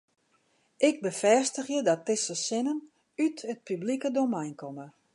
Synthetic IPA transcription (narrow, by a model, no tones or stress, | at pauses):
ɪk̚bəfɛstəxjədɔt̚ːɪsəsɪnən | ytət̚pyblikədomɛjnkɔmə